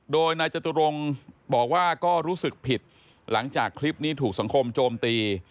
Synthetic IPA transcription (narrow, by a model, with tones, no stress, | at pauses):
doː˧jnaː˧jt͡ɕa˧t̪u˧ɾo˧ŋbɔː˨˩k̚waː˥˩kɔː˥˩ɾuː˦˥sɯ˨˩k̚pʰi˨˩t̪̚ | la˩˦ŋt͡ɕaː˨˩kʰːli˦˥p̚niː˦˥t̪ʰuː˨˩k̚sa˩˦ŋkʰo˧mt͡ɕoː˧mt̪iː˧